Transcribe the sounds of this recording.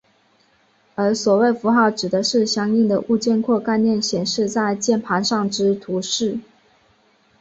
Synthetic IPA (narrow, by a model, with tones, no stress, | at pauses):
ə˞˧˥swɔ˨˩we˥˩ɪfu˧˥xɑ˥˩ʊʈ͡ʂɻ̩˨˩d̪ə˦ʂɻ̩˥˩ɕjɑ˥ŋi˥˩ŋd̪ə˩ʔu˥˧t͡ɕjɛ˥˧nkʰwɔ˥˧ka˥˧ɪnjɛ˥˩nɕjɛ˨˩nʂɻ̩˥˧t͡sa˥˧ɪt͡ɕjɛ˥˩npʰa˧˥nʂɑ˥˩ŋʈ͡ʂɻ̩˥t̪ʰu˧˥ʂɻ̩˥˩